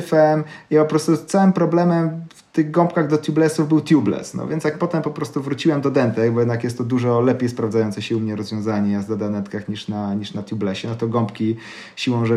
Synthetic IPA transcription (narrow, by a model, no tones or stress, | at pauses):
fɛmiapɔpɾɔst̪ut̪sawɘmpɾɔblɛmɛmft̪ɘɣɡɔ̃mpkaɣd̪ɔt̪ʲjublɛsuvbɘwt̪jublɛ̰snɔ̰vʲjɛnt̪sjak̚pɔt̪ɛmpɔpɾɔst̪uvɾut͡ɕiwɛmd̪ɔd̪ɛnt̪ɛɡbɔjɛd̪nakjɛst̪ːɔd̪uʐɔlɛpʲjejspɾavdzajɔnsɛɕɛumɲɛɾɔzvʲjɔ̃zaɲɛjaznad̪anɛt̪kaxɲiʂnaɲiʂnat̪ʲjublɛɕɛnɔt̪ɔɡɔ̃mpkʲi | ɕiwɔ̃w̃ʐɛ